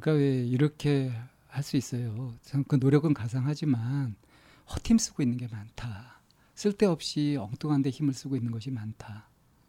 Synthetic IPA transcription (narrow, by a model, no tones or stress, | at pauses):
k͈awe̞iɾʌkʰe̞ | haɭs͈uis͈ʌjoaŋkɯnoɾjʌɡɯnkas̬ʰaŋɦad͡ʑiman | hʌtʰims͈ɯɡoinːɯnɡe̞mantʰa | s͈ɯɭt͈e̞ʌp̚ɕ͈iʌŋt͈oŋɦande̞çimɯɭs͈uɡoinːɯnɡʌɕʰimantʰa